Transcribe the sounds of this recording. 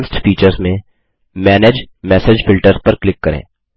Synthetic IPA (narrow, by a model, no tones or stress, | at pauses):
sʈfiːt͡ʃəɾzmẽ | mɛːneːd͡ʒ | mɛːseːd͡ʒfɪlʈəɾzpɐɾklɪkːɐɾḛ̃ː